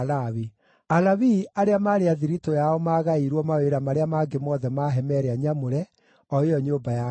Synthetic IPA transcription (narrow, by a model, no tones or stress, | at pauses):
lawi | alaβiaɾeamaːɾeaðiɾitojaɔmaːɣaiɾwɔmaweɾamaɾeamaːɡemɔːðɛmaɦɛmɛɾeaɲamoɾɛ | ɔeɔɲoːbaja